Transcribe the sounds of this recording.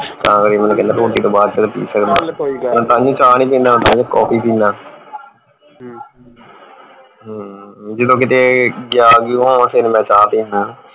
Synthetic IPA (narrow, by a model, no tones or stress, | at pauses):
t̪ãːkəɾiːmːnũːkɛnd̪ãːtoːʈiːt̪õːbaːd̪t͡ʃəlpḭːsəkd̪amɛ̃ːt̪ãːd͡ʒũːt͡ʃaːñĩːp̬ĩːnd̪aːmɛ̃ːt̪aːd͡ʒõːkɔːpiːpiːnaː | ɦːd͡ʒed̪õːk̬ɪt̪eːɡɪjaːɡiɦoːsenːmɛ̃ːt͡ʃaːp̪ĩːnd̪ãː